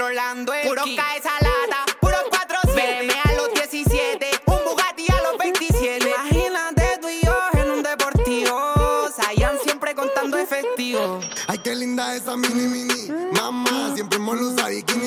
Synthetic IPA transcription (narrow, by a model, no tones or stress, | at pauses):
ɾoland̪ouɾokaesalat̪apuɾokwat̪ɾosjemealozd̪jesisjet̪ekombuɣat̪ialozbẽjnt̪isjet̪eahinat̪et̪uijohenũnd̪epoɾt̪iosaiansjempɾekont̪and̪oefest̪iβoajkelind̪aesamĩnĩmĩnimãmmãsjempɾemolusaɾjikin